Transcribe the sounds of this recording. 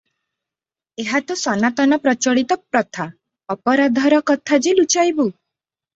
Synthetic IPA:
eɦat̪usɔnat̪ɔnɔpɾɔt͡ʃɔɭit̪ɔp̚ɾɔt̪ʰa | ɔpɔɾad̪ʱɔɾɔkɔt̪ʰad͡ʒelut͡ʃajbu

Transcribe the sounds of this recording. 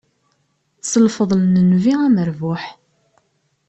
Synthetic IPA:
səlfəðˤlnənviæməɾvʊħ

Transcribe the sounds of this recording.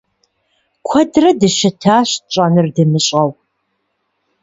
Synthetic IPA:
kʷʰɐdrɐdɨʃɪtʰaːɕt͡ʃʼɐnɨrdɨmɨɕʼɐw

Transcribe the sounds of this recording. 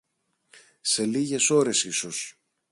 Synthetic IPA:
se̞liʝe̞so̞ɾe̞sisos

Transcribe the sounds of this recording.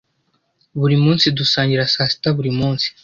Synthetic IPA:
βuɾimuːnsid̪usaːɲɟiɾasaːsi̥taβuɾimuːnsi̥

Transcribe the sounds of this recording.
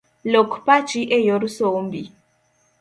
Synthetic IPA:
lokpat͡ʃiʔɛjoɾusombi

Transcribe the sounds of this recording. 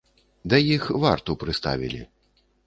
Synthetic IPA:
d̪ɐjixvart̪upɾɨst̪a̰vʲḭlʲḭ

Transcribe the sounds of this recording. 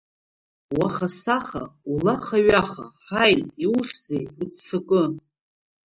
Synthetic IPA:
waχasaχa̰ulaχaɥaχa̰ħajtʼiwʊχʲzejħut͡st͡sʰɨkʼɨ

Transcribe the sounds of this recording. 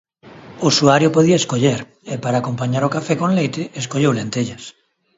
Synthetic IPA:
osuaɾjʊpoðiɐeskoʎeɾ | ɪpaɾaːkompaɲaɾokafɛkõnlejt̪ɪeskoʎewlent̪eʎɐs

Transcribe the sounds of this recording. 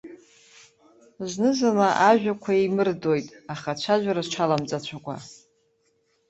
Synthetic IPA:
znɨzanaʔaʒᶣakʷʰaimɨrdojtʼaχat͡ɕʷʰaʒʷᶣaɾazʈ͡ʂʰalamt͡sʼat͡ɕʷʰakʷʼa̰

